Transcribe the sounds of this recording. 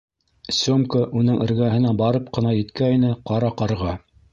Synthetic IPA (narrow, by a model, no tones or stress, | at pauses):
sʲomkəʔunɤŋʔɘ̆ɾɡæɦɘ̆næbɑɾɤp̚qɤ̆nɑjɘ̆t̪kæinɘqɑɾɑqɑɾʁɑ